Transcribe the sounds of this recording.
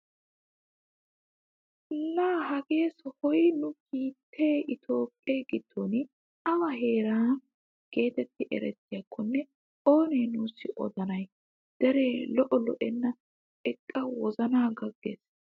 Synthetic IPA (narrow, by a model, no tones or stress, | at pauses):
lːaːhɐɡe̞ːshɔjnʊkiːt̪ʰːe̞ːɪt̪ʰo̞ːpʼːeːɡɪd̪̥ːoːnɪ | ɐmɐɦe̞ːɾaːn | ɡ̥e̞ːt̪ɛt̪ːɪʔɛ̰ɾɛt̪ːɪjɐkʰːɔnːɛ | o̞ːneːnuːsːɪʔɔ̰d̪ɐnɐj | d̪̥ɛɾe̞ːlɔʔɔlɔʔɛnːɐ | ɛkʼːɐwɔzɐnaːɡɐɡːḛs